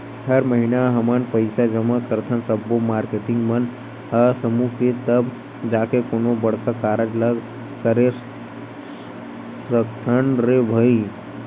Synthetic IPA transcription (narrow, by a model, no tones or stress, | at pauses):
həɾməɦinaɦəmənpəɪsad͡ʒəmakəɾt̪ʰənsəbːomaːɾkeːʈɪ̃ŋɡmən | əsəmuket̪əb | d͡ʒaːkekoːnobəɽkakaːɾəd͡ʒləɡ | kəɾe | səkt̪ʰəɳɾebʱəi